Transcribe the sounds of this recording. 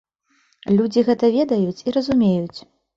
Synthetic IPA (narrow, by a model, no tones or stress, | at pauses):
lʲud͡zʲiɣɛt̪ɐvʲɛd̪ɐjut͡sʲiɾɐzumʲejut͡sʲ